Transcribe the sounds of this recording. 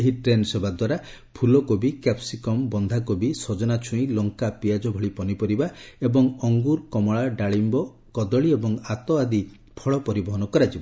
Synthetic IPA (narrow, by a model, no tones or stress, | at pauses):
eɦiʈɾensebad̪waɾa | pʰulɔkobikapsikɔmbɔnd̪ʱakobisod͡ʒɔnat͡ʃʰũĩlɔŋkapiad͡ʒɔbʱɔɭipɔnipɔɾibaebɔŋɔŋɡuɾkɔmɔɭaɖaɭimbɔ | kɔd̪ɔɭiebɔŋat̪ɔad̪i | pʰɔɭɔpɔɾibɔɦɔnɔkɔɾad͡ʒiba